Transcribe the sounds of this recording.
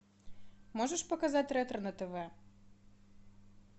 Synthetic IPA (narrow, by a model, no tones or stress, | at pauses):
mɔʐəʂpɐkɐzatʲrɛt̪ʲrnɐt̪ɛvɛ